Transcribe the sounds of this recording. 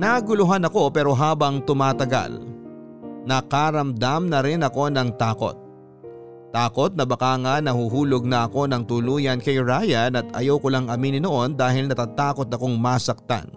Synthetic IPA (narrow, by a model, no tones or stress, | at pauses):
nɐɡʊlʊɦanɐko̞pɛːɾo̞ɦaːbɐŋt̪ʊmaːt̪ɐɡa̰l | nɐkaɾɐmd̪amnɐɾɪnɐko̞nɐŋt̪aːko̞̰t̪̚ː | aːko̞t̪̚nɐbɐkaːŋɐnɐhuɦuːloɡ̚nɐɐko̞nɐŋt̪ʊluːjɐnkɐjɹaːjɐnɐt̪ɐ̰jɐwkʊlaŋʔɐminɪnoʔo̞nd̪aːɦɪlnɐt̪aːt̪aːko̞t̪̚ɐko̞ŋmasɐk̚t̪a̰n